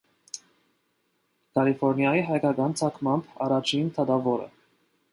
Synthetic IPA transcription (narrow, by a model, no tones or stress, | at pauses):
kɑlifɔɾnjɑjiɦɑjkɑkɑnt͡sʰɑkʰmɑmbɑrɑt͡ʃʰint̪ʰɑt̪ɑvɔɾə̰